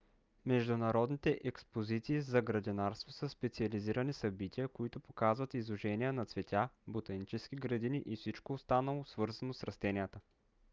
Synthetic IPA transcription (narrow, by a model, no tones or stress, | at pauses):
mɛʒd̪ʊnɐɾɔd̪nit̪ɛʔɛkspozit̪siːzɐɡɾɐd̪inaɾst̪vosəspɛt̪siɐliziɾənisɐbit̪ʲijəkoit̪ʊpokazvɐt̪izˠʊʒɛnijənɐt̪svɛt̪ʲabot̪ɐnit͡ʃɛskiɡɾɐd̪iniʔifsit͡ʃkoːst̪anəlˠosvɤɾzɐnosɾɐst̪ɛnijət̪ə